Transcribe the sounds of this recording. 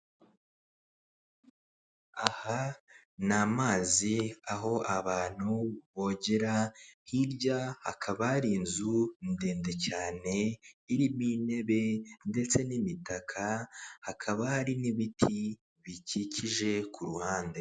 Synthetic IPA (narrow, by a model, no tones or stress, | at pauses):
aha | namaːziaɦo̞ʔaβaːn̥huβo̞ːɟeɾahiɾɟaha̰kʰaβaɾiːnzunde̞ːnde̞caːne̞iɾimine̞βe̞nde̞t͡se̞nimitakʰahakʰaβahaɾiniβitʰi | βicicʰiʒe̞kʰuɾuhaːnde̞